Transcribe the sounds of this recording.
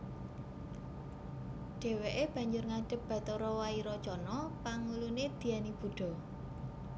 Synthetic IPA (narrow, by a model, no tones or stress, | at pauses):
ɖ̥e̤weʔeb̥ä̤ɲd͡ʒʊrŋaɖ̥ə̤p̚b̥ä̤t̪ɔɾɔwaiɾɔ̥t͡ʃɔnɔpaŋuluned̪̥i̤anib̥ṳɖ̥ɔ̤